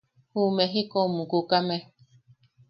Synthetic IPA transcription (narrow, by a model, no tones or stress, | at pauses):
humeɦikomũkukamẽ